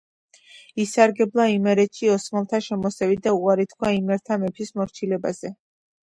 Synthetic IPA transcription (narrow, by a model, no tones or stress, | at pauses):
isaɾɡɛblˠaimɛɾɛt̪ʃiɔsmalˠt̪ʰaʃɛmɔsɛvid̪auqʼaɾit̪ʰkʰwaimɛɾt̪ʰamɛpʰismɔɾt͡ʃʰilɛbazɛ